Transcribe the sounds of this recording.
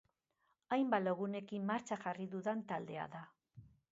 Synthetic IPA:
ajmbaloɣ̞une̞kimːaɾt͡ʃaʝariðuðant̪ald̪e̞a̰ða

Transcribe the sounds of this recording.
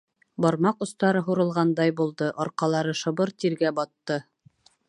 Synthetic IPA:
bɒɾmɑqŏst̪ɑɾɤɦuɾɤ̆lˠʁɑnd̪ɑjbulˠd̪ɤʔɑɾqɑlˠɑɾɤʃɤ̆βɤɾt̪iɾɡæbɑt̪ːɤ

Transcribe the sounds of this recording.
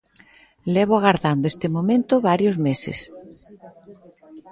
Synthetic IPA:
lɛβ̞oaɣaɾðand̪oest̪emõmẽnt̪oβaɾjozmesɪ̰s

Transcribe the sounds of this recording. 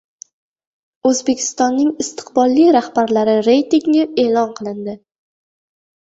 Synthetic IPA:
ɵzbe̞kʲʰɪ̥st̪ɒnːɪŋɪst̪ʰɨ̥qbɒlˠːijɾahbaɾlaɾɪɾe̞jt̪iŋɡɪe̞ːlˠɒnqʰɨlˠɪnd̪ɪ

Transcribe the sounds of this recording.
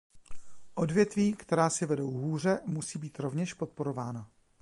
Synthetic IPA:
ʔo̞dvjɛt̪viːkt̪ɛɾaːsɪvɛdowɦuːr̝ɛmusiːbiːt̪ɾo̞vɲɛʃpo̞t̪̚po̞ɾovaːna

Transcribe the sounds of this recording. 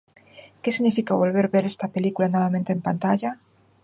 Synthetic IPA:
kesiɣnifikaβo̞lβeɾβe̞ɾest̪ape̞likulano̞βamẽnt̪eːmpant̪aʝa

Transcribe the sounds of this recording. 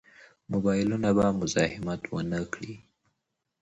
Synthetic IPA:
mʊbɑjɪlunabamʊzɑhɪmat̪ʰwə̰nəkɽi

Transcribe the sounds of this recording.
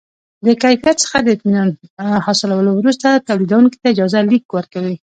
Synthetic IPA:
d̪əkajfjat̪sə̥xad̪əɪt̪minɑnhɑsɪlawəlowɾust̪at̪awlid̪awuŋki̥t̪aɪd͡ʒɑzalikwəɾkawi

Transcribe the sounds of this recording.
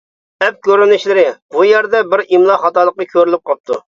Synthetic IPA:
ɛp̚kʲøɾynyʃlɪɾɪb̥ujæɾd̪ɛbɪɾimlˠɑχɑt̪ɑlˠəq̚ːɑkʲʰøɾylyp̚qʰɑp̚t̪u

